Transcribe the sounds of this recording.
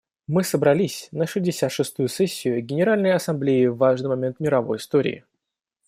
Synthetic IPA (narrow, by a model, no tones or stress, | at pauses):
mɨsəbɾɐlʲisʲnəʂɨzʲdʲɪsʲat̪ʂɨst̪ujʊsɛsʲːɪjʊɡʲɪnʲɪɾalʲnəjɐsɐmblʲeɪvːaʐnɨjmɐmʲe̞nt̪mʲɪɾɐvo̞̰jɪst̪oɾʲɪ̰ː